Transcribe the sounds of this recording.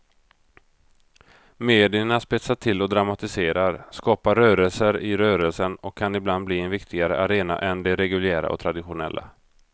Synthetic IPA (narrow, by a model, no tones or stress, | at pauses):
meːd̪ɪəɳaspɪt̪saʈʰɪlːɔd̪ɾamat̪ɪseːɾaɾskɑːpaɾœːɾəlsəɾɪɾœːɾəlsənɔkʰːanɪbland̪bliːɛnvɪkt̪ʰɪɡaɾəʔaɾeːna̰ʔɛnd̪ɛɾɛɡɵljæːɾa̰ʔɔ̰t̪ʰɾad̪ɪɧʊnɛ̰lːʔa̰